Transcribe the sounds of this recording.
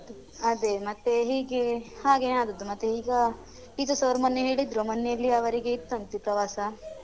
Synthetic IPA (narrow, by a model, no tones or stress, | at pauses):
ɐd̪emɐt̪ːeɦiːɡehaːɡeaːd̪ɐd̪ːumɐt̪ːeɦiːɡɐ | ʈit̪osɐʋɐɾmɐnːeɦeːɭid̪ɾomɐnːjejɐlːiɐʋɐɾiɡeit̪ːɐnt̪ipɾɐʋaːsɐ